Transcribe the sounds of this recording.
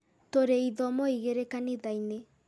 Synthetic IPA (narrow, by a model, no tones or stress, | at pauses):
toɾeiðɔmɔiɣeɾekaniðaine